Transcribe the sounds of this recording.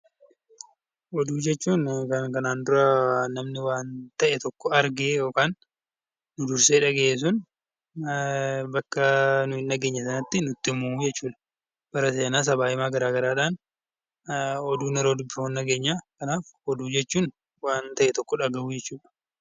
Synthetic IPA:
ʔɔd̪uːd͡ʒɛt͡ʃːuːnkɐnkɐnaːnd̪ʊɾɐnɐmnɪwaːnt̪ɐʔɛt̪ɔkːɔɐɾɡejo̞ːkaːnː | ʊd̪ʊɾseːᶑɐɡeʔs̬ʊn | bɐkːɐnʊhɪnːɐɡe̞ːɲːɐsɐnɐt̪ːɪnʊt̪ːɪmːud͡ʒɛt͡ʃːuːᶑɐ̥ | b̥ɐɾɐse̞ːnaːs̬ɐbaːɪmaːɡɐɾaːɡɐɾaːᶑaːn | ɔd̪uːnɛɾoːd̪ʊbːɪonːɐɡeːɲːaːkɐnaːfɔd̪uːd͡ʒɛt͡ʃːuːn | waːnt̪ɐʔɛt̪ɔkːɔᶑɐɡɐʔud͡ʒɛt͡ʃːuːᶑɐ̥

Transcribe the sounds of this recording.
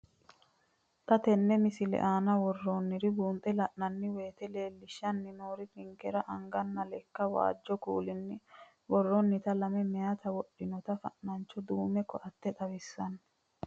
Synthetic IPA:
t̪ɐt̪ɛnːɛmɪsɪlɛ̰ʔaːnɐwɔrːoːnːɪɾɪbuːnt̪ʼɛlɐʔnɐnːɪwe̞ːt̪ɛle̞ːlːɪʃːɐnːɪno̞ːɾɪkɪŋkɛɾɐʔɐŋɡɐnːɐlɛkːɐwa̰ːd͡ʒːɔkṵːlɪnːɪ | wɔrːɔnːɪt̪ɐlɐmɛmɛjɐt̪ɐwɔɗːɪnɔt̪ɐfɐ̰ʔnɐnt͡ʃːɔd̪uːmɛkɔʔɐt̪ːɛt̪ʼɐwɪsːɐn

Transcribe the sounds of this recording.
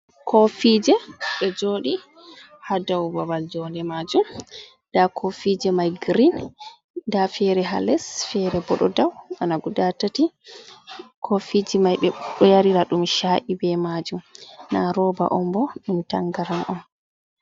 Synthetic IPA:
kʰofid͡ʒɛɓɛd͡ʒoɗi | hadawbabald͡ʒɔndɛmad͡ʒum | dakʰofid͡ʒɛmajɡɾin | dafɛɾɛɦa̰lɛsfɛɾɛbɔɗɔdawʔanaɡudatati | kʰofid͡ʒimajɓɛɗɔjaɾiɾaɗumʃaːʔibɛmad͡ʒumnaɾɔba̰ʔɔmbɔɗumtaŋɡaɾamʔɔn

